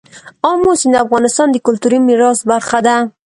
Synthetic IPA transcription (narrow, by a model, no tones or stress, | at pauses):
ɑmosind̪afɣɑnɪst̪ɑnd̪əkʊlt̪uɾimiɾɑsbaɾxad̪a